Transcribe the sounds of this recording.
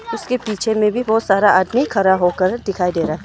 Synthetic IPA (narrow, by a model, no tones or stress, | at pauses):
ʊskepiːt͡ʃʰemẽbʱibɔːt̪saːɾaʔaːd̪mikʰɐɾaɦoːkəɾd̪ɪkʰaːid̪eːɾaɦɛ